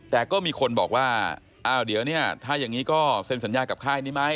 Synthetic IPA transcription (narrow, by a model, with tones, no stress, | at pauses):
t̪ɛː˨˩kɔː˥˩miː˧kʰo˧nbɔː˨˩k̚waː˥˩ | ʔaː˧˩wdi˨˦əwni˥˩ɐt̪ʰaː˥˩ja˨˩ŋːiː˦˥kɔː˥˩se˧nsa˩˦njaː˧ka˨˩p̚kʰaː˥˩jniː˦˥ma˦˥j